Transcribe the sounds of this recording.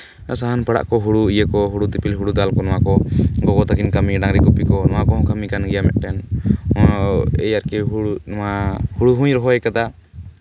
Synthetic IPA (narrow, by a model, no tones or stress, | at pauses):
saɦanpaɽa̰ʔkɔɦuɽuijəkɔɦuɽud̪ipilɦuɽud̪alkɔnɔwakɔɡɔɡɔt̪akinkamiɖaŋɾiɡupikɔnɔwakɔɦɔ̃kʰamikanɡɛjamɛ̰ʔ̪̚ˀʈɛn | ɛ̰jaɾkɛɦunahuɽuɦũɲɾɔɦɔɛkad̪a